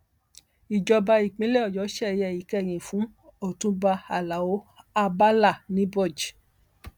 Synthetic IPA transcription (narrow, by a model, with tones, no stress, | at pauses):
i˨d͡ʒɔ˧ba˧i˨k͡pĩ˦lɛ˦ɔ˦˨jɔ˨˦ʃɛ˦˧jɛ˨i˨kɛ˦˨j̃ĩ˨fũ˨˦ | o˦˨tũ˨˦ba˧a˨la˨wo˨˦a˧ba˦la˦˨nĩ˨˦bɔ˦˨d͡ʒi˨